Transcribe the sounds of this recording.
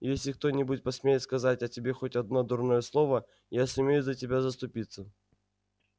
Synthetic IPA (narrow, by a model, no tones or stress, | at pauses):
jesʲlʲɪk̚t̪o̞nʲɪbuɪt̪̚pɐsmʲejɪt̪skɐzatʲɐtʲɪbʲe̞xotʲɐd̪no̞d̪ʊrnojəslˠo̞və | jasʊmʲejʊzətʲɪbʲazəst̪ʊpʲit̪sːə